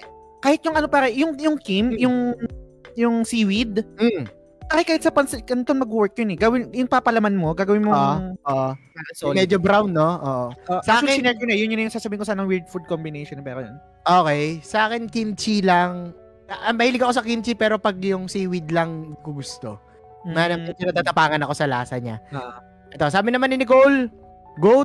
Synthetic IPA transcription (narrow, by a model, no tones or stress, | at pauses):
kaːhɪt̪̚jʊŋʔɐnopaːkɛjʊŋjʊŋkimjʊŋ | jʊŋsiwɪd̪̚m̩ | p̪aːhɛkaːhɪt̪sɐpɐnskɐnt̪onmɐɡwɛɹk̚jonɛɡɐwɪnjʊŋpaːpɐlɐmanmo̞ɡaːɡɐwɪnmoŋoʔaɐsomɛd͡ʒobɾawnːoʔoːʔoosɐʔaːkɪɪnɛd͡ʒonɐɛjʊnɲʊnɐjʊŋsaːsɐbiːɪnkosanɐŋwiɹd̪̚fud̪̚kombɪnejʃonpɛkɐjɐ̰n | ʔoːkɛjsɐʔaːkɪnkint͡ʃilɐŋ | ɐʔɐmɐhiːlɪɡɐko̞sɐkint͡ʃipɛːɾo̞pɐɡ̚jʊŋsiːwɪd̪lɐŋkʊɡʊst̪o̞̰ | mɐanɐmɪpɪnɐt̪at̪ɐpaːŋɐnɐko̞sɐlaːsɐɲa̰ | ʔɛt̪o̞saːbɪnɐmanːɪnɪkol | ɡowt̪̚